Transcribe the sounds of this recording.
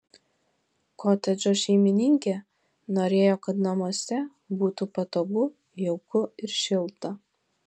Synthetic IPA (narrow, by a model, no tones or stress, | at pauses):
koːt̪ʲɛd͡ʒʲoːʃʲɛɪmʲɪnʲɪŋʲkʲe | noːɾʲeːjoːkɐt̪nɐmoːsʲɛ | buːt̪uːpɐt̪oːɡʊ | jɛʊkʊɪɾʃʲɪlˠt̪ɐ